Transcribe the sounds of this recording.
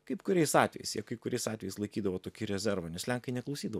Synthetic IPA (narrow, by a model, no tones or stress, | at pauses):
kɐɪpkʊɾʲɛɪsɑːt̪ʲʋʲɛ̰jɛ̰ɪsjɛkɐɪpkʊɾʲɛɪsɑːt̪ʲʋʲɛjɪslˠɐɪkʲiːd̪ɐʋoːt̪oːkʲɪɾʲɛzʲɛɾʋɐnʲɛslʲæŋkɐɪnʲɛklˠɐʊsʲiːd̪ɐʋ